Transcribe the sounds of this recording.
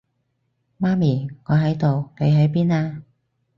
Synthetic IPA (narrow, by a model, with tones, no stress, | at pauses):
maː˥miː˨˩ŋɔː˨˧ɦɐ˨˥jt̪o˨wle˨˧jɦɵ˨˥ɥpiː˥naː˧